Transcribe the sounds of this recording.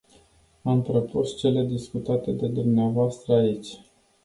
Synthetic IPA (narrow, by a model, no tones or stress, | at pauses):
amt̪ɾəpust͡ʃe̞le̞d̪iskut̪at̪e̞d̪e̞d̪umneavoast̪ɾəait͡ʃʲ